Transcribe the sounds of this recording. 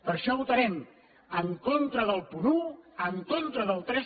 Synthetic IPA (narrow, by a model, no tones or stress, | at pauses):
pəɾʃɔβut̪əɾɛm | əŋkont̪ɾəðəlˠpunuəŋkont̪ɾəðəlˠt̪ɾɛ